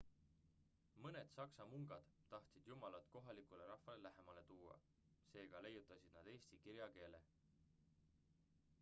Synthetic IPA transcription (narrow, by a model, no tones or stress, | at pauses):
mɤne̞d̪̥sɑksɑmuŋɡ̥ɑd̪̥t̪ːɑht̪sid̪̥jumɑlɑt̪ko̞ɦɑlikˑule̞ɾɑhvɑlelæɦe̞mɑle̞t̪uːɑ̰ | se̞ːɡ̥ɑle̞jːut̪ːˑɑsid̪̥nɑd̪̥e̞ːsʲt̪ikiɾjɑke̞ːle̞̰